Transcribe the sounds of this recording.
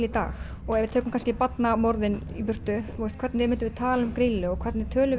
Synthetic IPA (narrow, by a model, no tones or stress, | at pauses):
lɪt̪a̰ːx | ɔɣɛɾvɪt̪ʰœːkʏmkʰanscɪpat̪namɔɾðɪnipʏr̥t̪ʏust̪kʰvɛɾt̪nɪɛmɪnt̪ʏvɪðt̪ʰaːlʏmkɾiːlɪɔɣkʰvɛɾt̪nɪ̥t̪ʰœːlʏ